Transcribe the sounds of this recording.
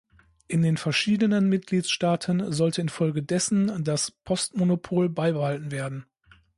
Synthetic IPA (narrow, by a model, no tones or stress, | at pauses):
ʔɪndeːnfɛɐʃiːdənənmɪt̚ɡ̥liːtsʃtaːtʰənzɔltʰəɪnfɔlɡədɛsn̩daspʰɔstmonopʰoːlbaɪbəhaltn̩veːɐdn̩